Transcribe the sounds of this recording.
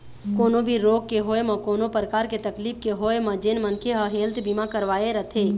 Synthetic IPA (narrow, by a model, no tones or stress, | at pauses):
koːnobʱiɾoːɡ̚keɦoːemɐ̃koːnopɾəkaːɾket̪ɐkliːpkeɦoːemə̃d͡ʒenmə̃nkʰeɦəɦeːlt̪bimakəɾʋaːeɾət̪ʰeː